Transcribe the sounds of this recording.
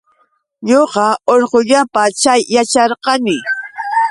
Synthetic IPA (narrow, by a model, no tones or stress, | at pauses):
ɲoqɑoɾqoʎapat͡ʃajːat͡ʃɑɾqɑnɪ